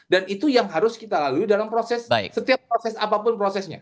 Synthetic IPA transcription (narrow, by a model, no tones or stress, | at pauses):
danit̪ujaŋɦaɾʊskit̪alaluidalampɾosɛsaɪ̰ksət̪iap̚ːɾosɛsapapʊnpɾosɛsɲa̰